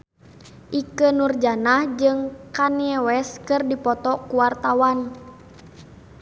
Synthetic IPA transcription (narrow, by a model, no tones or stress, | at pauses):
ʔikənurd͡ʒanahd͡ʒɨŋkaniɛwɛskɨrdipɔt̪ɔkuwart̪awan